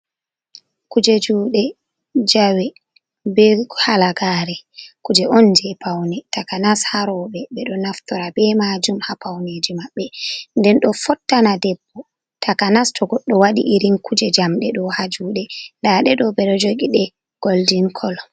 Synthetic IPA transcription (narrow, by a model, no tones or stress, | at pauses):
kud͡ʒed͡ʒuːɗɛ | d͡ʒawɛ | bɛhalaɡaɾɛkud͡ʒɛʔɔnd͡ʒɛpʰawnɛtakanashaɾɔɓɛbɛɗɔnaftɔɾabɛmad͡ʒumhapawned͡ʒimaɓːɛndɛnɗɔfɔtːanadɛbːɔ | tʰakanastʰɔɡɔɗːɔwaɗḭʔiɾinkʰud͡ʒɛd͡ʒamɗɛɗɔhad͡ʒuːɗɛndaɗɛɗɔbɛɗɔd͡ʒoɡiɗɛ | ɡ̥oldinkʰɔl